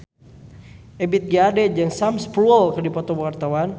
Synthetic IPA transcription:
ɛbit̪̚ɡiadɛd͡ʒəŋsamspluɔlkərdipɔt̪ɔbwart̪awan

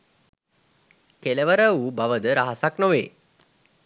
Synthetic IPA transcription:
keləʋəɾəʋubaʋəd̪əɾaɦasaknoʋeː

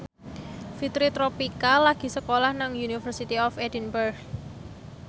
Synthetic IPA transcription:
fit̪ɾit̪ɾopikalaɡ̥i̤səkolahnaŋjunifərsit̪iɔfedinbərɡ

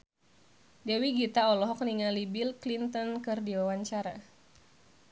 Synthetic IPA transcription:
dɛwiɡit̪aɔlɔɦɔk̚niŋalibilklint̪ɔnkɨrdiwawaɲt͡ʃaɾa̰

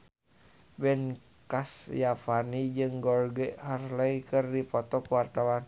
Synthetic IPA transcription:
bɛn | kasjafanid͡ʒɨŋɡɔrɡɛharlaikɨrdipɔt̪ɔkuwart̪awan

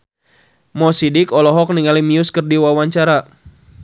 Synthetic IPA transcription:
mɔsidɪkɔlɔɦɔk̚niŋalimiʊskɨrdiwawaɲt͡ʃaɾa

